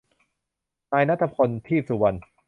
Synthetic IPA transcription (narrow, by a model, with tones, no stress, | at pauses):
naː˧jna˥t̪ʰːa˧pʰo˧nt̪ʰiː˥˩su˨˩˦wa˧n